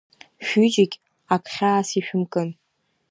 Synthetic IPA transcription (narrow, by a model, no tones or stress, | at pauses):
ʃᶣyd͡ʒɪkʲ | akʰʼχʲaːsiʃᶣʊmkʼɨn